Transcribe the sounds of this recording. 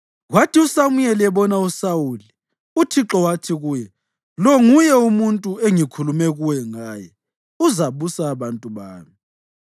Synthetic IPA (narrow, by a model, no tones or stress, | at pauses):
watʰiusamujɛliɛβɔnausawuli | utʰiǁɔwatʰiɣuːjɛ | lɔŋujɛumuntʼueŋikʰulumɛɣuwɛŋaːjɛ | uzaβusaːβantʼuβa̰ːmi